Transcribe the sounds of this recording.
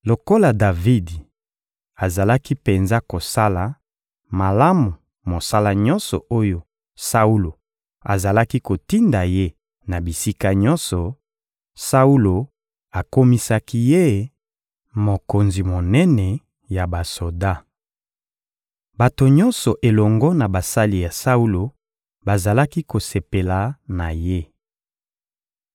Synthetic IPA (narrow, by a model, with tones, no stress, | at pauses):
lo˨ko˦la˨da˨vi˦di˨ | a˨za˨la˦ki˦pe˨nza˦ko˨sa˦la˨ | ma˨la˦mu˨ | mo˨sa˦la˦ɲɔ̃˦nsɔ̰˨ʔo˦jo˦ | sa˦u˦lo˨ | a˨za˨la˦ki˦ko˨ti˦nda˨je˦ | na˨bi˨si˦ka˦ɲɔ˦nsɔ˨ | sa˦u˦lo˨ | a˨ko˦mi˦sa˦ki˦je˦ | mo˨ko˨nzi˨mo˨nɛ˦nɛ˨ | ja˨ba˨so˨da˦ | ba˨to˨ɲɔ˦nsɔ˨ʔe˨lɔ˨ŋɡɔ˦na˨ba˨sa˦li˨ja˨sa˦u˦lo˨ | ba˨za˨la˦ki˦ko˨se˨pe˨la˨na˨je˦